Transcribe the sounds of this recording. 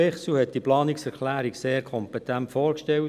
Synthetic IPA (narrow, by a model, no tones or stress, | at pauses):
ɛχsuhɛt̚d̥iplɑːniksɛɾkʰlæːɾikseːɾkʰɔmpɛt̪æntfoːɾkʃtɛwt